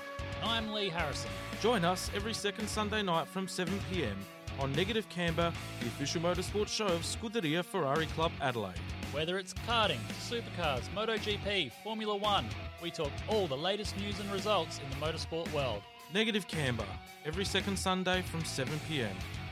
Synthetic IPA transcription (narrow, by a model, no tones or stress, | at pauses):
ãɪ̃mliɦæɹɨsə̰̃nd̥d͡ʒ̥ɔ̃ɪ̃nʌsɛvɹisɛkɨ̃nd̥sʌ̃ndeɪnaɪtfɹʌ̃msɛvə̃n̩pʰiɛ̰̃m | ə̃nːɛɡɨɾɨv̥kʰæ̃mbəðiɨfɪʃl̩ˠmoʊɾəspɔɹtʃoʊʌv̥skʊðəɾiɨfə˞ɑɹikʰl̥ʌbæɾəlḛɪt̚wɛðə˞ɨtskʰɑɹɾɪ̃ŋsʉˑpəkʰɑɹdzməʊɾəʊd͡ʒipʰifɔɹmjl̩ˠəwʌ̃nwitʰɔk̚ɔlˠðəleɪɾɨstnjʉzɨ̃nɹɨzʌlˠtsɨ̃nðəmoʊɾəspɔɹʔwɜ˞lˠd̥ | nɛɡɨɾɨv̥kʰæ̃mbə̰ | ɛvɹisɛkə̃n̩d̥sʌ̃ndeɪfɹʌ̃msɛvɨ̃npʰiɛ̰̃m